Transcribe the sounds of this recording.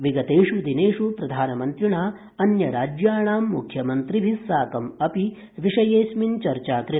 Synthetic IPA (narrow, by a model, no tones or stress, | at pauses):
ʋiɡɐt̪eːʂud̪ineːʂupɾɐd̪ʱaːnɐmɐnt̪ɾiɳaː | ɐnjɐɾaːd͡ʒjaːɳaːmːukʰjɐmɐnt̪ɾibʱisaːkɐmɐpi | ʋiʂɐjeːsmint͡ʃɐɾt͡ʃaːkɾi